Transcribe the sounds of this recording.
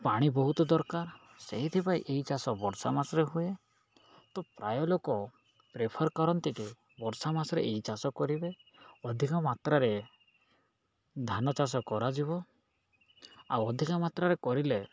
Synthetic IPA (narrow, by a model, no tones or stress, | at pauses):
paɽ̃ibɔɦut̪ɔd̪ɔɾkaɾ | seɦit̪ʰipajʔeɦit͡ʃasɔbɔɾsamasɔɾeɦue | t̪ɔpɾa̰jɔlokɔ | pɾepʰɔɾkɔɾɔnt̪ike | bɔɾsamasɔɾḛeɦit͡ʃasɔkɔɾibeɔd̪ʱikamat̪ɾaɾe | d̪ʱanɔt͡ʃas̬ɔkɔɾad͡ʒiβɔ | a̰wɔd̪ʱikamat̪ɾaɾekɔɾile